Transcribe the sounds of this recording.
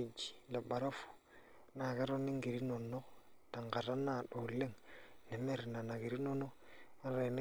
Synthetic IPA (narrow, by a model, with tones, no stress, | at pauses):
d͡ʒi̥˨la˨ba˨ɾa˦fu̥˨ | na˨kɛ˦ɾɔ˦nɪ˦ŋ˦ɡi˨ɾi˦nɔ˨nɔ˦ta˨ŋɡa˨ɾa˦na˨dɔ˨le˦ŋnɛ˨mɛ˦ɾɪ˨na˨na˨ki˨ɾi˦nɔ˦nɔ˦a˦a˨n˦